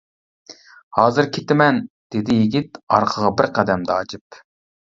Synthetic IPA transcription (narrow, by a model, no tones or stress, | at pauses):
hɑːzɨɾkʲʰet̪ɪmɛnd̪̥ed̪ɪjiɡʲit̪ɑɾqʰəʁɑbɪɾqʰæd̪ɛmd̪ɑɑt͡ʃʰɨp